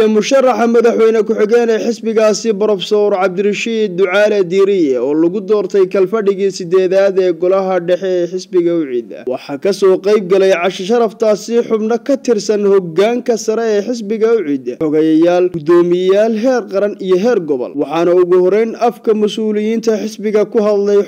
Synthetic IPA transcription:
ɛmʊʃɐrːɑħɑmɐðɑħwɛjnɐkʰʊħɪɣɛːnɛːħɪsbɪɣaːsɪbɾɔfsɔːɾʕɑb̚d̪ɪrɐʃiːd̪̚ːʊʕɑːlɛd̪iːɾɪjɛɔːlɐɣʊd̪ɔːrt̪ʰɛjkʰɐlfɐɖɪɣiːsɪd̪ɛːðaːðɛːɡɔlɐɦɐɖɛħɛɛːħɪsbɪɣɐʊʕḭːd̪ɐ̰wɑħɑːkʰɐsɔːqɑjb̚ɡɐlɛjʕɑʃɐʃɐɾɐft̪ʰaːsɪħʊbnɐkʰɐt̪ʰɪrsɐnhɔɡːaːŋkʰɐsɐɾɛɛːħɪs̬bɪɣɐʊʕiːd̪ɐħɔɣɐjɐjaːlɡʊd̪ɔːmɪjaːlɦɛːrqɑɾɐnijɔɦɛːrɡɔβɔ̰lwɑħɑːnɐʊɣʊhɔɾɛjnɐfkʰɐmʊsuːlɪjiːnt̪ʰɐħɪsbɪɣɐkʰʊɦɐd̪lɛj

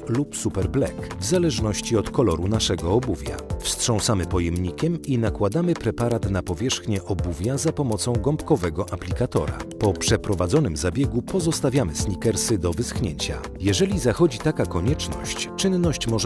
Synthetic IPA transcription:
lupsupɛɾblɛ̰kvzalɛʐnɔɕt͡ɕiɔt̪kɔlɔɾunaʂɛɡɔːbuvʲja̰fstʂɔ̃w̃samɘpɔjɛmɲikʲɛminakwad̪amɘpɾɛpaɾat̪napɔvʲjɛʂxɲɛʔɔbuvʲjazapɔmɔt̪sɔ̃w̃ɡɔmpkɔvɛɡɔʔaplʲikat̪ɔ̰ɾa̰pɔpʂɛpɾɔvad̪zɔn̪ɘmzabʲjɛɡupɔzɔst̪avʲjamɘsɲikɛɾsɘd̪ɔvɘsxɲeɲt͡ɕa̰ | jɛʐɛlʲizaxɔd͡ʑit̪akakɔɲɛt͡ʂnɔ̰ɕt͡ɕt͡ʂɘnːɔɕt͡ɕmɔʐ

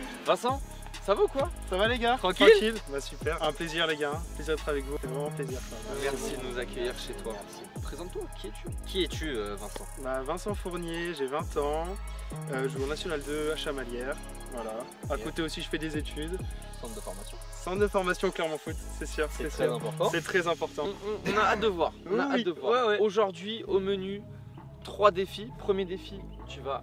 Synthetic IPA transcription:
vɛ̃sɑ̃ | savokwasavaleɡat̪χɑ̃tkɑkilbasypɛʁɛ̃pleziʁleɡapleziʁd̪ɛt̪ʰχavɛkvufɛvʁɛmɑ̃pleziʁklɛʁmmɛʁsid̪ənuzakʲœjiʁʃet̪ʰwaɛsiəpχezɑ̃t̪ːwakʲiɛt̪ʰykʲiɛt̪ʰyøvɛ̃sɑ̰̃bavɛ̃sɑ̃fuʁnjeʒevɛ̃t̪ɑ̃ | øʒəuɔ̃nasjɔnald̪øaʃamaljɛʁ | vwala | akot̪eosiʒəfɛd̪ezet̪ʰyd̪ | sɑ̃t̪d̪əfɔʁmasjɔ̃ | sɑ̃t̪d̪əfɔʁmasjɔ̃klɛʁmɑ̃fut̪sɛsyːʁsɛɛɛ̃pɔʁt̪ɑ̃sɛt̪χɛzɛ̃pɔʁt̪ɑ̃ɔ̃naːd̪əvwaːʁ̃w̃nawaid̪əvwawɛwɛoʒuʁd̪ɥioməny | t̪χwad̪efipχəmjed̪efi | t̪yva

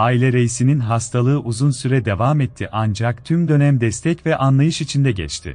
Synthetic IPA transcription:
aːilʲɛɾe̞jisininɦast̪ʰalˠɯːʔuzunsyɾɛd̪e̞vamɛt̪ʰːiʔand͡ʒak̚t̪ʰymd̪ø̞næmd̪ɛst̪ʰɛcvɛʔanlˠajɯʃit͡ʃʰind̪ɛɟɛ̰t͡ʃt̪ʰɪ̰

